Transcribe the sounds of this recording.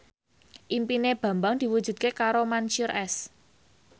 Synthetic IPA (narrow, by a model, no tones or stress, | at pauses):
ʔimpineb̥a̤mbaŋd̪̥i̤wud̥ʒ̥ṳd̪̚kekaɾomanʃuɾʔɛs